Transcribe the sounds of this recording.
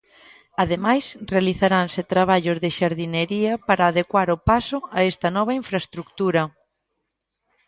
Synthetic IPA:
aðemajsrealiθaɾansɪt̪ɾaβ̞aʎozðɪʃaɾðineɾiɐpaɾaːðekwaɾʊpasʊaɛst̪ɐnɔβ̞ɐiɱfɾast̪ɾukt̪uɾɐ

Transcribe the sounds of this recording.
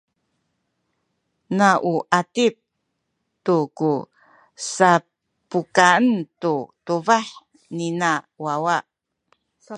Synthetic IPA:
naʔuʔatip̚ | tuku | sa | pukaəntutuvaħ | nina | wawa

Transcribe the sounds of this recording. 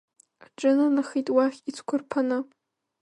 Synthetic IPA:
aʈ͡ʂʼɨnanaχijtʼwaχʲit͡sʰʷkʷʰʊrpʰanɨ

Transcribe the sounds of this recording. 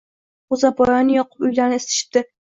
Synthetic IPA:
ʊzabɒjɒnɪjɒqɨ̥pʊjlaɾnɪest̪ʰɪ̥ʃɪ̥t̪ɪ

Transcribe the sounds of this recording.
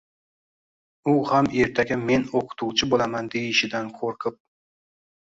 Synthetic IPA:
ʊhame̞ɾt̪ʰaɡʲame̞noqʰʊ̥t̪ʰuwt͡ʃʰɪbolˠamand̪ejɪʃɪd̪ankʰoɾqʰɪp̚

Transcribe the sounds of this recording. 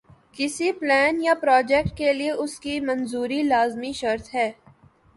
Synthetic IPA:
kɪsiplɛːnjapɾɔːd͡ʒɛːk̚ʈ̚kelieʔʊskimɐnzuːɾilaːzmiʃɐɾt̪ɦɛː

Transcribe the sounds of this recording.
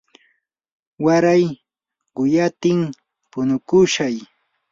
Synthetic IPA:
waɾaj | ɢʊjat̪ɪŋ | pʊnʊkʊʃaj

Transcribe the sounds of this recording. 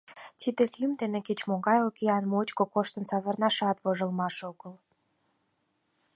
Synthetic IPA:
t̪id̪eklimd̪eneket͡ɕmoɣɑjokeɑnmot͡ɕkokoʃt̪ənsɑβərnɑʃɑt̪βoʒəlmɑʃoɣəl

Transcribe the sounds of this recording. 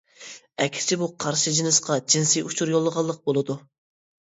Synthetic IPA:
ɛkʲʰst͡ʃʰibuqʰɑɾʃɨd͡ʒinɨsqʰɑd͡ʒinsijut͡ʃʰuɾjolˠːəʁɑlˠːəq̚bolˠɨd̪u

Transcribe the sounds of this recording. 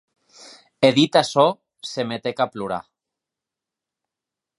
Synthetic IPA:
eðit̪asɔ | semet̪ekapluɾa̰

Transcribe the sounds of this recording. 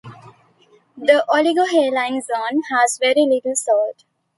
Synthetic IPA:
d̪əʔɔliɡoːɦeːlãɪ̃nzõːnhæzʋɛɾilɪʈəl̩sɔːlʈ

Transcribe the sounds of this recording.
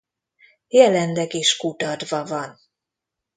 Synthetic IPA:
jɛlɛnd̪ɛɡeːʃkut̪ɒd̪vɒvɒn

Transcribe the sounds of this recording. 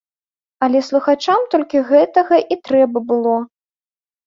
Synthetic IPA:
ɐlʲɛslˠuxat͡ʂamt̪ɔlʲkʲiɣɛt̪ɐɣɐʔit̪ɾɛbɐbɨlˠɔ

